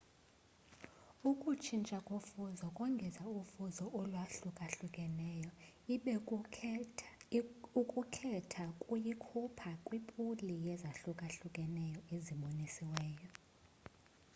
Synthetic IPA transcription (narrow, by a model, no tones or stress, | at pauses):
ukʼut͡ʃʰint͡ʃʼakʼofuzɔkʼɔŋɡʱɛzaufuzɔʔɔlwaɬukʼaɬukʼɛnɛjɔi | ukʼukʰɛtʰakʼujikʰupʰakʼwipʼulijɛzaɬukʼaɬukʼɛnɛjɔeziɓonisiwɛːjɔ